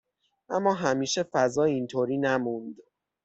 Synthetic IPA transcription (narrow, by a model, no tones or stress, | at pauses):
ʔæmːɒːɦæmiːʃe̞fæzɒːint̪ʰoːɾiːnæmund̪